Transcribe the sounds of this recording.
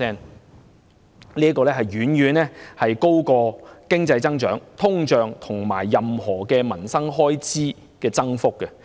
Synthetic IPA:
ɛː˥n | liː˥ɐ˥kɔː˧lɛ˥ɦɐ˨jɥyː˨˥njyː˨nlɛː˥hɐ˨jko˥wkɔː˧kɪ˥ŋt͡sɐ˧jt͡sɐ˥ŋt͡ʃœː˨˥ŋt̪ʰʊ˥ŋt͡ʃœː˨ŋt̪ʰʊ˨˩ŋma̰ː˨˩jːɐ˨mhɔː˨˩kɛː˧mɐ˨˩nsɐ˥ŋɦɔː˥jt͡siː˥ | kɛː˧t͡sɐ˥ŋfʊ˥kːɛ˧

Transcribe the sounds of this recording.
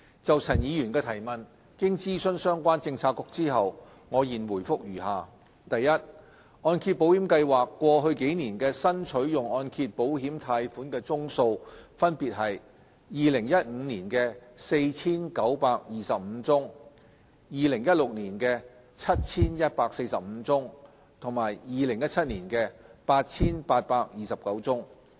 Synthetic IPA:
t͡sɐ˨wt͡sʰɐ˨˩njiː˨˧jyː˨˩nkɛː˧t̪ʰɐ˨˩jmɐ˨˩n | kɪ˥ŋt͡siː˥sɵ˥nsœː˥ŋkʷaː˥nt͡sɪ˧ŋt͡sʰaː˧t̚kʊ˧k̚t͡siː˥ɦɐ˨w | ŋɔː˨˧jiː˨˩nwuː˨˩jfʊ˥k̚ɥyː˨˩haː˨ | t̪ɐ˨jːɐ˥t̚ | ɔː˧nkʰiː˧t̚po˨˥whi˨˥mkɐ˧jwaː˨kːʷɔː˧ɦɵ˧ɥke˨˥jniː˨˩nkɛː˧sɐ˥nt͡ʃʰɵ˨˥ɥjʊ˨˩ŋɔː˧nkʰi˧t̚po˨˥whiː˨˥mt̪ʰaː˧jfuː˨˥nkɛː˧t͡sʊ˥ŋso˧wfɐ˥npiː˨t̚ɦɐ˨j | jiː˨˧lɪ˨˩ŋjɐ˥t̚ŋ̩ː˨˧niː˨˩nkɛː˧se˧jt͡sʰiː˥nkɐ˨˥wpaː˧k̚jiː˨sɐ˨p̚m̩˨˧˦t͡sʊ˥ŋ | jiː˨˧lɪ˨˩ŋjɐ˥t̚lʊ˨k̚niː˨˩nkɛː˧ | t͡sʰɐ˥t̚t͡sʰiː˥njɐ˥t̚paː˧k̚se˧jsɐ˨p̚m̩˨˧t͡sʊ˥ŋ | t̪ʰʊ˨˩ŋmaː˨˩jjiː˧lɪ˨˩ŋjɐ˥t̚t͡sʰɐ˥t̚niː˨˩nkɛː˧paː˧t̚t͡sʰiː˥npaː˧t̚paː˧k̚jiː˨sɐ˨p̚kɐ˨˥wt͡sʊ˥ŋ

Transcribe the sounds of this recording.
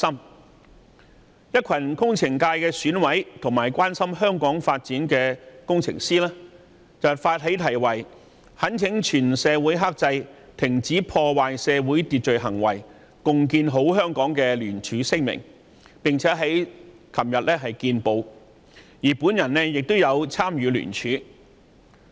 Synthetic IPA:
sɐ˥m | jɐ˥t̚kʷʰɐ˨˩nkʊ˥ŋt͡sʰɪ˨˩ŋkaː˧jkɛː˧syː˨˥nwɐ˨˥jt̪ʰʊ˨˩ŋmaː˨˩jkʷaː˥nsɐ˥mɦœː˥ŋkɔː˨˥ŋfaː˧t̚t͡siː˨˥nkɛː˧kʊ˥ŋt͡sʰɪ̰˨˩ŋsiː˥lɛː˥ | t͡sɐ˨˩wfaː˧t̚ɦe˨˥jt̪ʰɐ˨˩jwɐ˨˩j | hɐ˨˥nt͡sʰɪ˨˥ŋt͡ʃʰyː˨˩nsɛː˨˧wuː˨˥jɦaː˥k̚t͡sɐ˧jt̪ʰɪ˨˩ŋt͡siː˨˥pʰɔː˧waː˨jsɛː˨˧wuː˨˥jt̪iː˧t̚t͡ʃɵ˨jɦɐ˨˩ŋwɐ̰˨˩j | kʊ˨ŋkiː˧nɦo˨˥wɦœː˥ŋkɔː˨˥ŋkɛː˧lyː˨˩nt͡ʃʰyː˨˥sɪ˥ŋ̚mɪ̰˨˩ŋ | pɪ˨ŋt͡sʰɛː˨˥ɦɐ˨˥j | kʰɐ˨˩mjɐ˨t̚lɛː˥ɦɐ˨jkiː˧npo˨˧w | jiː˨˩puː˨˥njɐ˨˩nːɛ˥jɪ˨k̚t̪o˥wjɐ˨˧wt͡sʰaː˥mjyː˨˧ly̰ː˨˩nt͡ʃʰyː˨˥

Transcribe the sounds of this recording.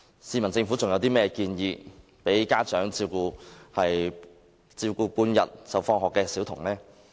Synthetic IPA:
siː˨˧mɐ˨˩nt͡sɪ˧ŋfu˨˥t͡sʊ˨ŋjɐ˨˧wt̪iː˥mɛː˥ɛ˧kiː˧njiː˧ | pe˨˥jkaː˥t͡ʃœː˨˥ŋt͡siː˧wkuː˧hɐ˨j | t͡siː˧kuː˧puː˧njɐ˨t̚sɐ˨wfɔː˧ŋɦɔː˨kːɛː˧siː˨˥wt̪ʰʊ˨˩ŋlɛː˥

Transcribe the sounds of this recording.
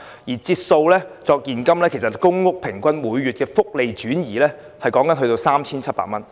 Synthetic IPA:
jiː˨˩t͡siː˧t̚so˧wlɛː˥t͡sɔː˧k̚jiː˨˩nkɐ˥mlɛː˥kʰe˨˩jsɐ˨t̚kʊ˥ŋŋʊ˥k̚pʰɪ˨˩ŋkʷɐ˥nmuː˨˧jɥyː˨t̚kɛː˧fʊ˥k̚le˨jt͡ʃyː˨˥njiː˨˩lɛː˥ | hɐ˨jkɔː˨˥ŋkɐ˨˥nɦɵ˧t̪o˧wsaː˥mt͡sʰiː˥nt͡sʰɐ˥t̚pa̰ː˧˨t̚mɐ˥n

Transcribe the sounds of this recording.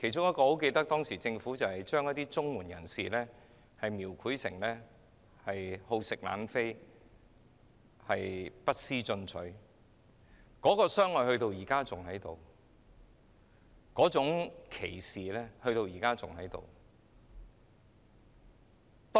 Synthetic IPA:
kʰe˨˩jt͡ʃʊ˥ŋjɐ˥tkɔː˧ho˨˥wk̬e˧t̪ɐ˥k̚t̪ɔː˥ŋsiː˨˩t͡sɪ˧ŋfuː˨˥t͡sɐ˨whɐ˨jt͡ʃœː˥ŋjɐ˥t̚t̪iː˥t͡sʊ˥ŋwuː˨˩njɐ˨˩nsiː˨lɛː˥ | hɐ˨jmiː˨˩wkʰuː˨˥jsɪ̰˨˩ŋlɛː˥ | hɐ˨jho˧wsɪ˨k̚la̰ː˨˥nfe˥j | hɐ˨jpɐ˥t̚siː˥t͡sɵ˧nt͡sʰɵ˨˥ɥ | kɔː˨˥kɔː˧sœː˥ŋlɔː˧jhɵ˧ɥt̪o˧wjiː˨˩kaː˥t͡sʊ˨ŋhɐ˨˥jt̪o˨w | kɔː˨˥t͡sʊ˨˥ŋkʰe˨˩jsiː˨lɛː˥hɵ˧ɥt̪o˧wjiː˨˩kaː˥t͡sʊ˨ŋhɐ˨˥jt̪o̰˨w | t̪ː

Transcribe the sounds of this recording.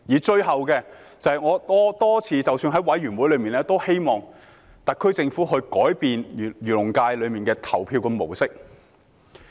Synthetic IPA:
jiː˨˩t͡ʃɵ˧ɥɦɐ˨wkɛː˧ | t͡sɐ˨whɐ˨jŋɔː˨˧t̪ɔː˥t̪ɔː˥t͡sʰiː˨˧t͡sɐ˨wsyː˧nɦɐ˨˥jwɐ˨˥jɥyː˨˩nwuː˨˥jlɵ˨˧ɥmiː˨nlɛː˥t̪o˥whe˥jmɔː˨ŋ | t̪ɐ˨k̚kʰːɵ˥t͡sɪ˧ŋfuː˨˥ɦɵ˧ɥkɔː˨˥jpiː˨n˨jyː˨˩lʊ˨˩ŋkaː˧jlɵ˨˧ɥmiː˨nkɛː˧t̪ʰɐ˨˩wpʰiː˧wkɐ˧mo˨˩wsɪ˥k̚

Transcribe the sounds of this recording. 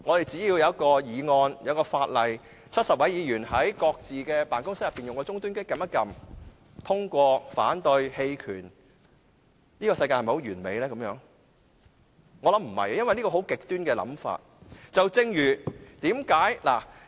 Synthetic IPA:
ŋɔ˨˧t̪e˨jt͡siː˨˥jiː˧wjɐ˨˧wɐ˥t̚kɔː˧jiː˨˧ŋɔː˧njɐ˧˥kɔː˧faː˧t̚lɐ˨j | t͡sʰɐ˥t̚sɐ˨p̚wɐ˨˥jiː˨˧jyː˨˩nɦɐ˨˥jkɔː˧k̚t͡siː˨kɛː˧paː˨nkʊ˥ŋsɐ˥jɐ˨pːiː˨njʊ˨ŋkɔː˧t͡sʊ˥ŋt̪yː˥nkɪ˥kːɐ˨˧mɐ˥kɐ˨m | t̪ʰʊ˥ŋkʷɔː˧fa̰ː˨˥nt̪ɵ˧ɥhe˧jkʰy̰ː˨˩n | niː˥kɔː˧sɐ˧jkaː˧hm˨˩ho˨˥wɥyː˨˩nme˨jlɛː˥kɐ˨˥mjœː˨˧˥ŋ | ŋɔ˨˧lɐ˨˥m̩˨˩hɐ̰˨jjɐ˥nwɐ˨jniː˥kɔ˧˩ho˨˥wkɪ˨k̚t̪yː˥nkɛː˧lɐ̰˨˥mfa̰ː˧t̚t͡sɐ˨wt͡sɪ˧ŋjyː˨˩t̪iː˨˥mkaː˨˥jla̰ː˨˩

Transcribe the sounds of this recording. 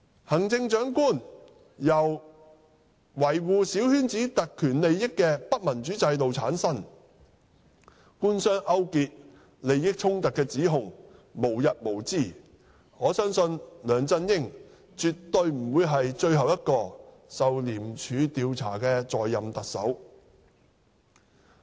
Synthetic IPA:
hɐ˨˩ŋt͡sɪ˧ŋt͡ʃœː˨˥ŋkuː˥˩n | jɐ˨˩w | wɐ˨˩jwuː˨si˨˥whyː˥nt͡siː˨˥t̪ɐ˨kʰːyː˨˩nle˨jːɪ˥kːɛː˧pɐ˥t̚mɐ˨˩nt͡ʃyː˨˥t͡sɐ˧jt̪o˨wt͡sʰaː˨˥nsɐ˥n | kuː˥nsœː˥ŋʔɐ˥wkiː˨t̚ | le˨jɪ˥k̚t͡ʃʰʊ˥ŋt̪ɐ˨kːɛː˧t͡siː˨˥ɦʊ˨˩ŋmo˨˩wjɐ˨t̚mo˨˩wt͡siː˥˩ | ŋɔː˨˧sœː˥ŋsɵ˧nlœː˨˧ŋt͡sɐ˧njɪ˥ŋ | t͡ʃyː˨tt̪ːɵ˧ɥm̩˨˩wuː˨˧jɦɐ˨jt͡ʃɵ˧ɥɦɐ˨wjɐ˥t̚kɔː˧ | sɐ˨wliː˨˩mt͡ʃʰyː˨˧t̪iː˨˧wt͡sʰa̰ː˨˩kɛː˧t͡sɔː˨jːɐ˨mt̪ɐ˨k̚sɐ̰˨˥w

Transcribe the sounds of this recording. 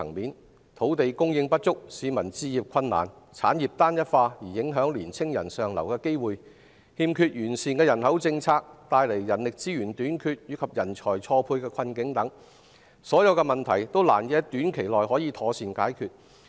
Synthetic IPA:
ɐ˨˩ŋmiː˨˥n | t̪ʰo˨˥wt̪e˨jkʊ˥ŋjɪ˧ŋpɐ˥t̚t͡sʊ˥k̚siː˨˧mɐ˨˩nt͡siː˧jiː˨p̚kʰɐ˧nːa̰ː˨˩n | t͡sʰaː˨˥njiː˨p̚t̪aː˥njɐ˥t̚faː˧jiː˨˩jɪ˨˥ŋɦœː˨˥ŋliː˨˩nt͡sʰɪ˥ŋjɐ̰˨˩nsœː˨ŋlɐ˨˩wkɛː˧ke˥jwuː˨j | hiː˧mkʰyː˧t̚jyː˨˩nsiː˨˩nkɛː˧jɐ˨˩nhɐ˨˥wt͡sɪ˧ŋt͡sʰaː˧k̚t̪aː˧jle˨˩jːɐ˨˩nlɪ˨k̚t͡siː˥jyː˨˩nt̪yː˨˥nkʰyː˧t̚jyː˨˧kʰɐ˨p̚jɐ˨˩nt͡ʃʰɔː˨˩jt͡sʰɔː˧pʰuː˧jkɛː˧kʰɐ˧nkɪ˨˥ŋt̪ɐ˨˥ŋ | sɔː˨˥jɐ˨˧wkɛ˧mɐ˨˩nt̪ʰɐ˨˩jt̪o˥wla̰ː˨˩njɛː˧t̪yː˨˥nkʰe˨˩jlɔː˨jɦɔː˨˥jiː˨˧t̪ʰɔː˨˧siː˨nkaː˨˥jkʰyː˨˧t̚

